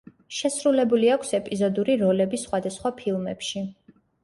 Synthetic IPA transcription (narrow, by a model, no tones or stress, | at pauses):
ʃɛsɾulɛbuliakʰsɛpʼizɔd̪uɾiɾɔlɛbisːχwad̪asχwapʰilˠmɛ̰pʃi